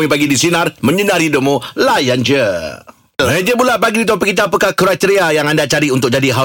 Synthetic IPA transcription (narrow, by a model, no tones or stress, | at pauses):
ipaɡidisinãrmə̃ɲənãrhidʊp̚mũlajand͡ʒə | ɛd͡ʒəbulapaɡiit̪op̬əkit̪̬ap̬əkakɾat̪əɾiajaŋandat͡ʃaɾiunt̪ʊk̚d͡ʒadiɦa